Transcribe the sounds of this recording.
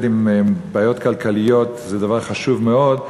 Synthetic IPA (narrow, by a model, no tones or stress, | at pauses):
dimbaːjo̞t̪kalkalijo̞t̪zɛd̪avaʁχaʃuvmeo̞d̪